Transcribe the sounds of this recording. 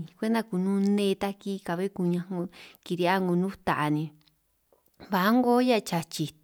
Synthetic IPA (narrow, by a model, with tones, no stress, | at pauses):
kʷe˦nd̪a˧ku˧˨nũː˦nẽ˦˧t̪a˧ki˦ka˨βe˦ku˧ɲã˧ŋo˧ki˧ɾi˧a˦ŋɡo˧nũ˦t̪a˨ʔa˧nĩ˧ | βa˨ʔa˦ŋɡo˦ja˦˧t͡ʃa˨t͡ʃi˨